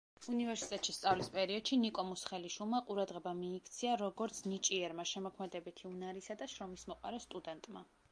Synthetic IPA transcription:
univɛɾsi̥t̪ʼɛt̪ʼʃist̪sʼavlispʼɛɾiɔd̪̥ʃinikʼɔmusχɛliʃwilˠmaqʼuɾad̪ʁɛbamiːkʰt̪sʰiaɾɔɡɔɾt̪sʰnit͡ʃʼiɛɾmaʃɛmɔkʰmɛd̪ɛbit̪ʰiunaɾisad̪aʃɾɔmismɔqʼa̰ɾɛst̪ʼud̪ɛnt̪ʼma

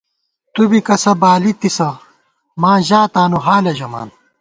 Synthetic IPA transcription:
t̪ubikɐsɐbaːlit̪isɐ | maːʑaːt̪aːnuɦaːlɐʑɐma̰ːn

